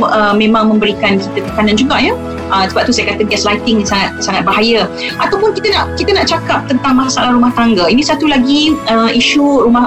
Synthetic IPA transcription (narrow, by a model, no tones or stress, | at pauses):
əmẽmãŋmə̃mbəɾikankit̪əp̪ə̥kanand͡ʒuɡaʔjə | ʔəsəbap̚t̪usajakat̪əɡɛslajt̪ɪŋasaŋat̪̚saŋat̪̚baɦajəʔat̪awpʊnkit̪ənaʔkit̪ənaʔt͡ʃakap̚t̪ənt̪aŋmasaʔalahɾumaht̪aŋɡainĩsat̪ulaɡiəiʃuɾumah